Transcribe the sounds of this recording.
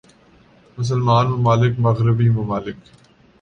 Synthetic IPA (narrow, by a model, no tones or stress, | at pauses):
mʊs̬əlmaːnmʊmaːlɪkmɐɣɾɪbiːmʊmaːlɪk